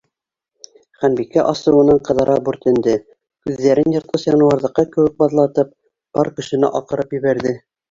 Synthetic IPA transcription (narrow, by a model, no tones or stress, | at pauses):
χænbikːæʔɑsɤ̆wɤ̆nɑɴqɤ̆ðɑɾɑbʉɾt̪ɘ̆nd̪ɘ | kʉðːæɾɘnjɑ̆ɾt̪lˠɤsjɑnɤ̆wɑɾðɤ̆qːɑkɘ̆wɘk̚bɑðlˠɑt̪ɤp̚ | b̥ɑɾkɵ̆ʃɘ̆nɘ̰ʔɑqɤ̆ɾɤpjɘ̆βæɾðɘ